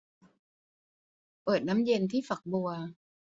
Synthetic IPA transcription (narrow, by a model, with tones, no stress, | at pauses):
pɤː˨˩t̪̚na˦˥mje˧nt̪ʰiː˥˩fa˨˩k̚bu˧ɐ